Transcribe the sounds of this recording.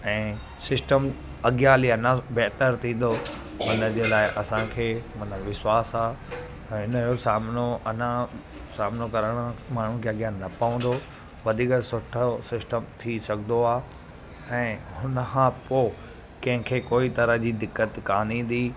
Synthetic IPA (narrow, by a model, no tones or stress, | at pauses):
ɛ̃ː | sɪsʈəm | ɐɠjaliɐnãbeɦt̪əɾt̪ʰĩːn̆d̪o | mɐnəd͡ʑeːlaːɪʔɐsãkʰeːmɐnəʋɪswaːsaː | ɦɪnəjosaːmnoɐnã | saːmnokɐɾəɽ̃maːɳ̤ũkʰeːɐɡjanɐpɐʋə̃nd̪o | ʋɐd̪ʱiːksʊʈʰəsɪsʈəmt̪ʰisɐɡʱd̪oaː | ɛ̃ːhʊnəkʰãpoː | kɐ̃ɦɪ̃kʰeːkoːit̪ɐɾəd͡ʑiːd̪ɪkːət̪kaːnĩːn̆d̪iː